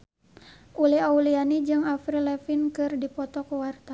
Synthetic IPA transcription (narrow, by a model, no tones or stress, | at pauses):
uliaulianid͡ʒɨŋafɾilɛfinkɨrdipɔt̪ɔkuwart̪a